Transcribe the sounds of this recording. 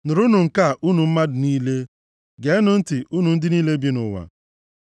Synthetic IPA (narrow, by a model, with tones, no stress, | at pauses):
nʊ˨ɾu˦nʊ˨ŋ̩˨ka˦˨ʔu˦nu˨m̩˦ma˦dʊ˨niː˦le˦ | ɡe˨˦nʊ˨n̩˦tɪ˨ʔu˦nu˨n̩˦dɪ˦niː˦le˦bi˦nʊ̰˨wa̰˨